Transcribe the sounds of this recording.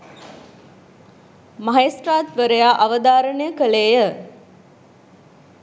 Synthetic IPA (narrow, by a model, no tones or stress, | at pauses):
maɦesraːt̪ʋəɾəjaːʔɐʋəd̪aːɾənəjəkəleːjə